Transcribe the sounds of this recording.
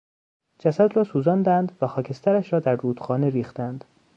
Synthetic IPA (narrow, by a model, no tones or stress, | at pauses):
d͡ʒæsæd̪ɾɒːsuːzɒnd̪ænd̪væxɒːcʰe̞st̪ʰæɾæʃɾɒːd̪æɾːuːd̪̥xɒːneɾiːxt̪ænd̪̥